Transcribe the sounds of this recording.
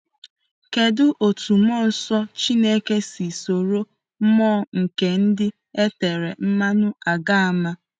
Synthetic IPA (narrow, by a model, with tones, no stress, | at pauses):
ke˨dʊ˦ʔo˨tu˨mɔ˦˨n̩˨sɔ˦t͡ʃi˦ne˦ke˦si˨so˨ɾo˦ | mɔː˦˨ŋ̩˨ke˨n̩˦dɪ˦ | e˦te˨ɾe˨m̩˦ma˦nʊ˦a˨ɡa˦a˨ma˦